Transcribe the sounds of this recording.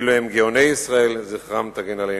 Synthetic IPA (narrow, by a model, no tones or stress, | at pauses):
loemɡeonejisʁaelziχʁamt̪aɡenale